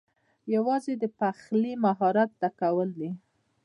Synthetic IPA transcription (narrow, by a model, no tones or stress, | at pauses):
jawɑzed̪əpaxlimaɦɑɾat̪̚d̪akawəld̪i